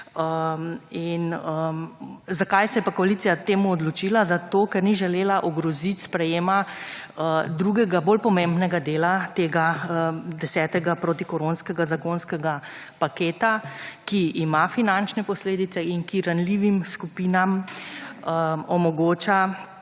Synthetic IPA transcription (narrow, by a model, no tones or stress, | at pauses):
əinə | zakajsɛjɛpakɔalit̪sijat̪eːmuɔd̪lɔt͡ʃilazat̪oːkɛɾniʒɛleːlaʔɔɡɾɔzit̪ʲspɾɛjeːma | d̪ɾuɡɛɡaboːlpɔmẽmbnɛɡad̪eːlat̪eːɡad̪ɛsɛːt̪ɛɡapɾoːt̪ikɔɾonskɛɡazakonskɛɡa | pakeːt̪akiːmafinant͡ʃnɛpɔsleːd̪it̪sɛinkiɾanliʋimskupiːnam | əɔmɔɡoːt͡ʃa